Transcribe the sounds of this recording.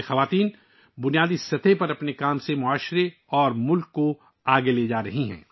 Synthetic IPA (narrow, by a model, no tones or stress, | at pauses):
xɐʋaːt̪iːn | bʊnijaːd̪isɐt̪ʰepɐɾɐpnekaːmsemʊaːʃɾe | ɔːɾmʊlkːo | aːɡeleːd͡ʒaːɾɐɦiɦɛ̰̃ː